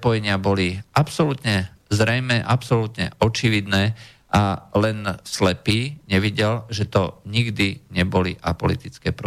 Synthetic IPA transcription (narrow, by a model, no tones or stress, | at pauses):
pɔjɛɲɪabɔliʔapsɔlut̪ɲɛ | zɾɛjmɛʔapsɔlut̪ɲɛ̰ɔt͡ʃiʋid̪nɛː | ʔalɛnslɛpiːɲɛʋiɟɛlʒɛt̪ɔɲiɡd̪iɲɛbɔliʔapɔ̰lit̪it͡skɛːpɾɔ